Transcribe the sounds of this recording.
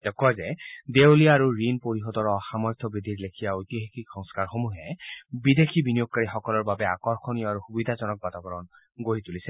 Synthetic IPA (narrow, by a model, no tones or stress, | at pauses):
d̥ɛkazɛdewliaaɹuɹinpoɹiɦɔdɔɹɔxamɔjt̪ʰɔbɹid̪ʱiɹlekʰijaojtiɦekikxɔŋskaɹxomuɦɛbid̪ekʰibinijoɡ̚kaɹixɔkɔlɔɹbabɛakɔɹxʰonijɔaɹuxubid̪ʱazɔnɔk̚batabɔɹɔn | ɡoɹit̪ulisɛ